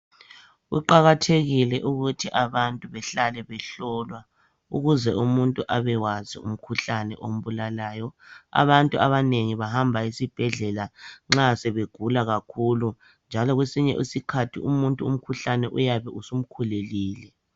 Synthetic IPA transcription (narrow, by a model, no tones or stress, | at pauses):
ṵǃaɣatʰeɣilɛʔuɣutʰiʔaβantʼuβɛɬalɛβɛɬɔːlwa | ṵɣuzɛumuntʼuʔaβɛwaziṵm̩kʰuɬanɛ̰ʔom̩βulalaːjɔa̰βantʼuaβaneŋiβahambʱaisib̥ʱɛɮɛlaŋ͡ǁasɛβeɡ̥ʱulaɣakʰulu | nd͡ʒʱalɔɣwesiɲɛ̰ʔisikʰatʰḭumuntʼuum̩kʰuɬanɛʔujaβɛʔusum̩kʰuleliːlɛ